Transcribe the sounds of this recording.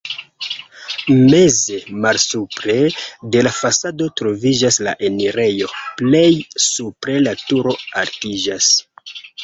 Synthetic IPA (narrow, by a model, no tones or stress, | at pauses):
me̞ze̞malsupɾe̞de̞lafasado̞tɾo̞vid͡ʒasla̰ʔe̞niɾe̞jo̞ple̞jsupɾe̞latuɾo̞aɾtid͡ʒas